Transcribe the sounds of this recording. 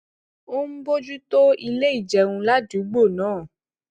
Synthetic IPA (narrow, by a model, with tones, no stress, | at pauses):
o˦m̩˦bo˦d͡ʒu˦to˦i˧le˦i˦˨d͡ʒɛ˨˧wũ˧la˦d͡ʒu˨˦ɡ͡bo˦˨nãː˨˦˨